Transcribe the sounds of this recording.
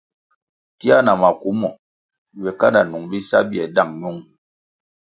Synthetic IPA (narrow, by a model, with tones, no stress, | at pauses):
ti˦a˦na˨ma˨ku˨˦mɔ˨ | wɛ˨ka˦nda˨nu˨ŋbi˦sa˦bi˦˨ɛ˨da˦˨ŋmu˦ŋ